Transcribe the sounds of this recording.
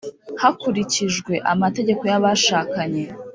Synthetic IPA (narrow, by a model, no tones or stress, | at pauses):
hakuɾiciʒɡwe̞ʔamate̞ɟe̞ko̞jaβaʃaːkaɲe̞